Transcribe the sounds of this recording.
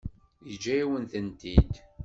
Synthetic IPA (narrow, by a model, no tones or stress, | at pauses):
jəd͡ʒːæjiwənθənt̪id̪